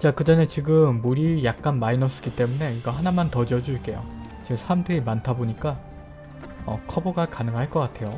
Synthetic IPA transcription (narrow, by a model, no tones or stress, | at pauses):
t͡ɕakɯd͡ʑʌne̞t͡ɕiɡɯmːuɾijak̚k͈anmainʌs͈ɯ̥ɡit͈e̞mune̞iɡʌɦanamantʌd͡ʑiʌd͡ʑuiɭk͈e̞jo̰ | t͡ɕesʰaɾamdɯɾimantʰaboɲik͈a | ʌ̰kʰʌboɡakanɯŋɦaɭk͈ʌk͈atʰe̞jo